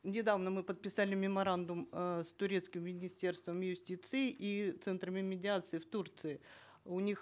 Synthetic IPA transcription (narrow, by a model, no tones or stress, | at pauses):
nʲɪd̪avnəmɨpət̪̚pʲɪsalʲɪmʲɪmɐɾand̪ʊmst̪ʊɾʲe̞t̪skʲɪmːʲɪnʲɪsʲtʲe̞rst̪vəmjʊsʲtʲit̪sɨɪʔit̪sɛnt̪ɾəmʲɪmʲɪdʲɪat̪sɨɪft̪urt̪sɨɪ | ʊnʲix